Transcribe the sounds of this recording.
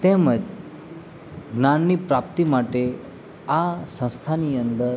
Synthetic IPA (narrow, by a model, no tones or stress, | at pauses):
t̪ẽməd͡ʒ | ɡnanːipɾap̚t̪imaʈe | asə̃w̃st̪ʰanijənd̪əɾ